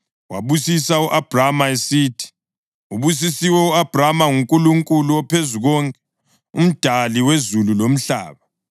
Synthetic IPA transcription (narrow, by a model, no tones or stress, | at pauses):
wa̰βusisauʔab̥ʱramaesiːtʰi̥ | uβus̬isiwɛuab̥ʱramaŋuŋkʼuluŋkʼuluwɔpʰezuɣɔŋkʼɛ | ṵm̩d̥ʱaliwezululom̩ɬa̰ːβa